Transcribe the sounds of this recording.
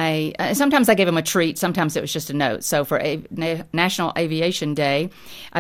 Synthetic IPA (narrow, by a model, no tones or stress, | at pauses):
aɪʌsʌ̃mtʰãɪ̃mzaɪɡeɪvə̃mɨtʰɹ̥itsʌ̃mtʰãɪ̃mzɨtʔ̚wʌzd͡ʒʌstɨnoʊtsoʊfə˞ʔnæʃn̩l̩ˠʔeɪvieɪʃɨ̃ndeɪ | ʔaɪ